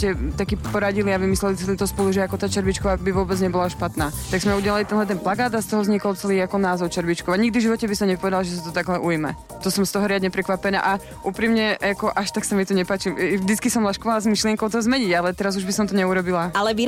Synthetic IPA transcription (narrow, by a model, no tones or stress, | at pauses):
cɛt̪akiːpɔɾaɟiliaʋimislɛlit̪t͡sɛlit̪ɔspɔluʒɛakɔt̪aːt͡ʃɛɾʋit͡ʃkɔʋabiʋʊɔbɛd͡zɲɛbɔlaʃpat̪naːt̪aɡzmɛuɟɛlalit̪ɛnɦlɛt̪ɛnplaɡaːd̪ast̪ɔɦɔzɲikɔlt͡sɛliːakɔnaːzɔʊt͡ʃɛɾʋit͡ʃkɔʋaɲiɡ̚d̪ivʒiʋɔcɛbisɔmɲɛpɔʋɛd̪alaʒɛs̬at̪ɔt̪aɡlɛʔujimɛ̰ | t̪ɔsɔmst̪ɔɦɔɾɪad̪ɲɛpɾɛkʋapɛna̰ːʔa | ʔuːpɾimɲɛakɔʔaʃt̪aksamit̪ɔɲɛpaːt͡ʃiʒd̪it͡skisɔmlaʃkɔʋalazmiʃlɪɛŋkɔʊt̪ɔzmɛɲiɟalɛt̪ɛɾazuʒbisɔmt̪ɔɲɛuɾɔbilaalɛʋi